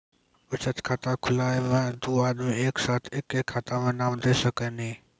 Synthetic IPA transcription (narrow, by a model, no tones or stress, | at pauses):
ʊt͡ʃʰət̪kʰat̪aːkʰʊlaːemẽːd̪uːaːɗ̪mẽeːksaːt̪ʰɪkeːkʰat̪aːmẽːnaːmd̪eːsəkəniː